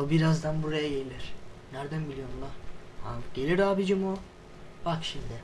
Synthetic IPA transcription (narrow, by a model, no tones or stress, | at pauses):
obiɾazd̪anbuɾajajejlʲiɾ̥næɾd̪ænmilʲjo̞nulˠaha̰ɟ̥e̞lʲiɾaːbid͡ʒimu | bakʃimd̪ɪ